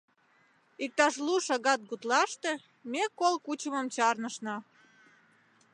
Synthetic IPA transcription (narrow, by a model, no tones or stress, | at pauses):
ik̚t̪ɑʃluʃɑɣɑt̪̚ɡut̪lɑʃt̪ĕ | mekolkut͡ɕəmə̆mt͡ɕɑrnəʃnɑ